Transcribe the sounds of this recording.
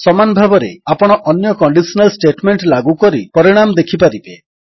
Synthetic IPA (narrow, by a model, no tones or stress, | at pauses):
sɔmanɔbʱabɔɾḛapɔɽ̃ɔʔɔnjɔkɔɳɖisɔnalsʈeʈmeɳʈlaɡukɔɾipɔɾiɽ̃amd̪ekʰipaɾibe